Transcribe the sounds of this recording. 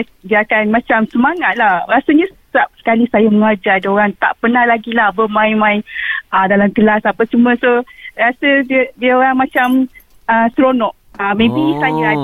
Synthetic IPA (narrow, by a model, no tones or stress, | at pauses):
diəakanmat͡ʃamsəmaŋat̪̚lahɾasaɲasəap̚sə̥kalisajaməŋad͡ʒadəoɾaŋt̪a̰ʔpənahlaɡilahbəmãjmãjədalamkəlasapəsumə̃soɾasədiədiəoɾaŋmat͡ʃam | əsɾonɔʔ̚ | amẽbisaja